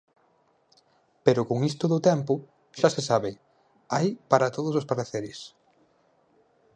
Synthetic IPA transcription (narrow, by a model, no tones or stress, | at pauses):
peɾʊkoŋist̪ʊðʊt̪ɛmpʊ | ʃasesaβɪ | ajpaɾɐt̪oð̞ʊsospaɾaθeɾɪs